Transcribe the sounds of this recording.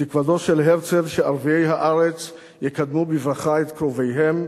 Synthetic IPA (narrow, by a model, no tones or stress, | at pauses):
t̪ikvado̞ʃelɦeʁt͡se̞vʃeaʁvie̞jɦaʔaʁet͡s | jekad̪mubivʁaχaet̪kʁo̞vejɦe̞m